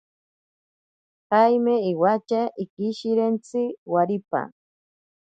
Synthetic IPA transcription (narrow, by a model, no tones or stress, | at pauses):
qajmeːwat͡ʃaɪkɪʃɪɾent͡sɪwaɾipa̰